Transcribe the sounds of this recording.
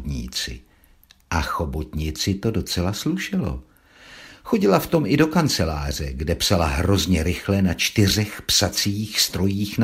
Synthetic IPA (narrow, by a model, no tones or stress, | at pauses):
t̪ɲḭːt͡sɪ̰ | ʔaxo̞bot̪ɲɪt͡sɪt̪o̞do̞t͡sɛlasluʃɪlo̞̰ | xo̞ɟɪlaft̪o̞mʔɪdo̞kant͡sɛlaːr̝ɛɡdɛpsalaɦɾo̞zɲɛɾɪxlɛnat͡ʃt̪ɪr̝ɛxpsat͡siːxst̪ɾo̞jiːxna